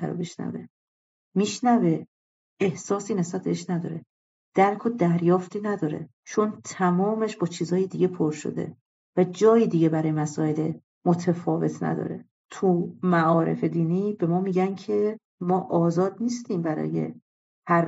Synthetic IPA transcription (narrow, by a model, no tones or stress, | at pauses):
æ̰ɾo̰beʃnæ̰vḛ | miːʃnæve̞ | ehsɒːsiːne̞sbæt̪̚be̞eʃnæd̪ɒ̰ːɾe | d̪̥æɾkʰod̪æɾjɒːft̪ʰiːnæd̪ɒːɾe̞̰ | t͡ʃʰo̞nt̪ʰæmɒːmeʃbɒːt͡ʃʰiːzɒːjed̪iɟe̞pʰoɾʃo̰d̪ḛ | væd͡ʒɒːjiːd̪iɟe̞bæɾɒːjemæsɒːele | mot̪ʰefɒːve̞t̪ʰnæ̰d̪ɒ̰ːɾe̞̰ | t̪ʰumæɒːɾe̞̰fe̞d̪iːniːb̥e̞mɒːmiɟæncʰe̞ | mɒːʔɒːzɒːd̪̚niːst̪iːmbæɾɒ̰ːje̞̰ | hæɾ